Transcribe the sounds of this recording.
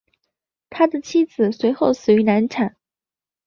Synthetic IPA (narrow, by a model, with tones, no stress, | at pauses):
t̪ʰa˥d̪ə˨t͡ɕʰi˥d͡zɹ̩˨˩swe˧˥ɪxo˥˩ʊsɹ̩˨˩y˧˥na˧˥nʈ͡ʂʰa˨˩˦n